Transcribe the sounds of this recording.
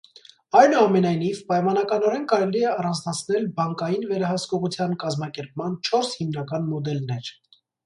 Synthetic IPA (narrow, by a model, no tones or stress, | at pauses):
ɑjnuɑmɛnɑjnivpɑjmɑnɑkɑnɔɾɛnkɑɾɛliɛɑrɑnd͡znɑt͡sʰnɛlbɑŋkɑjinvɛɾɑhɑskɔʁut͡sʰjɑnkɑzmɑkɛɾp̚mɑnt͡ʃʰɔɾshimnɑkɑnmɔd̪ɛlnɛɾ